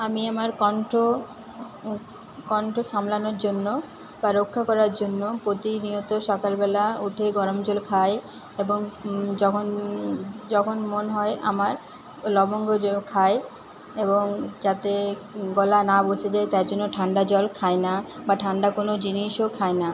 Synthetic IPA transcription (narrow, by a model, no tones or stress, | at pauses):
amiamaɾkɔɳʈo | kɔɳʈoʃamlanoɾd͡ʑonːo | baɾokʰːakɔɾaɾd͡ʑonːopɾot̪iniɦot̪oʃɔkalbɛlauʈʰeɡɔɾomd͡ʑolkʰae | eboŋd͡ʑɔkʰon | d͡ʑɔkʰonmonɦɔeʔa̰maɾ | lɔboŋɡod͡ʑokʰae | eboŋd͡ʑat̪eɡɔlanaboʃed͡ʑaet̪aeɾd͡ʑonːoʈʰaɳɖad͡ʑɔlkʰaenabaʈʰaɳɖakonod͡ʑiniʃokʰajna